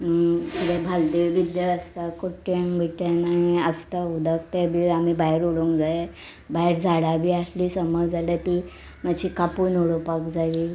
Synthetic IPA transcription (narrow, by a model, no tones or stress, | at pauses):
t̪iɽebʱald̪eʋbid̪jəəst̪akoʈjãŋbʱiʈjanaĩəst̪aud̪əkt̪ebiamibajɾuɽuŋkd͡zae | baeɾd͡zʱaɽabʱiːasliːsəməd͡zalet̪i | mad͡ʑikapunuɽopakd͡zaʋiː